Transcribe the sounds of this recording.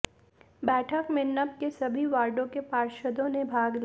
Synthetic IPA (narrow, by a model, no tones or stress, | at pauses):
bɛːʈʰəkmɪnːəp̚kesɐbʱiʋaːɾɖõkepaːɾʃəd̪õnebʱaːɡl